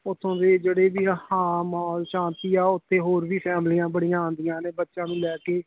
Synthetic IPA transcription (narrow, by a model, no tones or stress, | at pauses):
ʊt̪ʰːõːd̪eːd͡ʒeːɽeːbiːhaːmɦɔːlʃãːnt̪iːaːʊt̪ʰːeːɦoːɾʋiːpʰɛːmlijãːbəɽijãːõːnd̪ijãːneːbətːʃãːʋĩːlɛːkeː